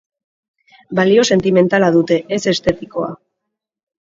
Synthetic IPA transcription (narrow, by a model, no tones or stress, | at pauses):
balio̞se̞nt̪ime̞nt̪alaðut̪e̞ʔese̞st̪e̞t̪iko̞a̰